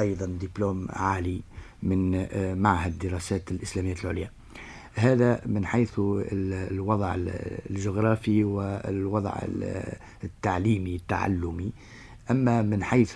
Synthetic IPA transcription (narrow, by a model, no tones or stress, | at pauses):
ʔɑjðˤɑnd̪iploːmʕaːli | mɪnmaʕhad̪ːɪɾˤɑːsaːt̪ɪlʔɪslæːmɪjːalʕʊ̰ljæː | ɦæːðamɪnħajθ | wɑðˤʕlʒʊɣɾˤɑːfiwɪwɑd̪ˤʕɪ̰ | t̪ːaʕliːmit̪ːa̰ʕa̰lːʊmi | ʔamːamɪnħajθ